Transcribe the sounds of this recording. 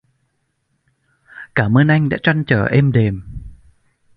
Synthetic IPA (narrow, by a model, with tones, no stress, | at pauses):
kaː˧˩məː˧nʔa˧jŋ̟ɗa̰ː˧˥t͡ɕa˧nt͡ɕəː˧˩ʔɛ˧mɗe˨˩m